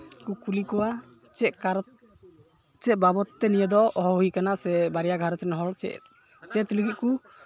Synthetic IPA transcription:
kukulikɔwa | t͡ʃɛkaɾ | t͡ʃɛt̪̚babɔt̪ːɛnijəd̪ɔɔɦɔɦuikanasɛbaɾijaɡʱaɾt͡ʃɛnɦɔlt͡ʃɛ̰ | t͡ʃɛt̪ləɡit̪̚ku

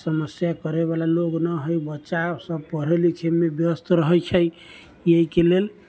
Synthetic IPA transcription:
səməsjakəɾeβalaloɡnəɦojbətːt͡ʃasəb̚pəɾ̤elit͡ʃʰemebjəst̪ʰɾəɦəjt͡ʃʰəj | jeɦikelel

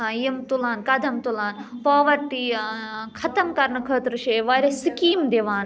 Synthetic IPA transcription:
jimt̪ulaːnkɐd̪ʱɐmt̪ulaːnpaːʋɐʈːi | kʰɐt̪ɐmkɐɾnɐkʰɐːt̪ɾɨʃɐːʋɐːɾɐsikiːmd̪eʋaːn

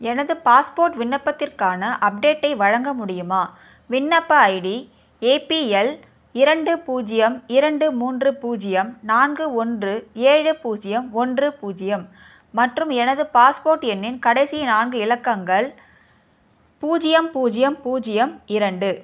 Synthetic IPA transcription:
ɛnɐðɯpaːspoːɾʈʋɪɳːɐpːɐt̪ːɪrkaːnɐʔɐp̚ɖeːʈːɐɪʋɐɻɐŋɡɐmʊɽɪjɯmaː | ʋɪɳːɐpːɐɐɪɽi | eːpiɛl | ɪɾɐɳɖɯpuːd͡ʒɪjɐmɪɾɐɳɖɯmuːndrɯpuːd͡ʒɪjɐmnaːnɡɯɔndrɯeːɻɯpuːd͡ʒɪjɐmɔndrɯpuːd͡ʒɪjɐmː | ɐʈrɯmɛnɐðɯpaːspoːɾʈɛnːɪnkɐɽɐɪsinaːnɡɯɪlɐkːɐŋɡɐɭ | puːd͡ʒɪjɐmpuːd͡ʒɪjɐmpuːd͡ʒɪjɐmɪɾɐɳɖɯ

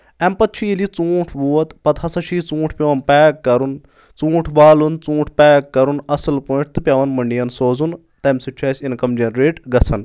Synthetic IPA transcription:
ɛmpɐt̪̚t͡ʃʰijilit͡sũːʈʰbuːɐt̪pɐt̪ʰɦɐsɐʃʰiːt͡sũːʈʰpʲeʋɐnpɛːkːɐɾun | t͡sũːʈʰbaːlunt͡sũːʈʰpɛːkːɐɾunɐsɨlpuːʈ̚ʰt̪ɨpʲɐʋɐnmɐɳɖijɐnsoːzun | t̪ɐmsut͡ʃʰɐːsʲinkɐmd͡ʒɐnɾeːʈɡɐt͡sʰɐn

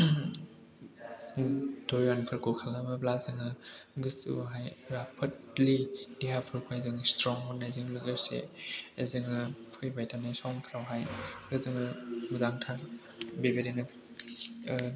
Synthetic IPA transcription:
dɔanpʰɯɾkʰɔkʰalamɯblazɯŋɯɡɯsṵɦajɾapʰɯt | lidiɦapʰɯɾkʰoezɯŋstɾɔŋɦɔnazɯŋlɯɡeɾsḛezɯŋɯpʰɯjbajtʰanasɔŋpʰɾawɦajɾɯzɯŋɯmuzaŋtʰa | bebeɾenɯ

